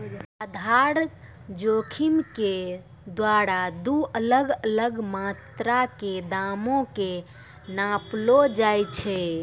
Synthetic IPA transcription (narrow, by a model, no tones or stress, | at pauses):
ɾəd̪ʱaɾ | d͡ʒokʰimke | d̪waɾad̪uʔələɡələɡmat̪ɾaked̪amõke | nãplod͡ʒajt͡ʃʰɛ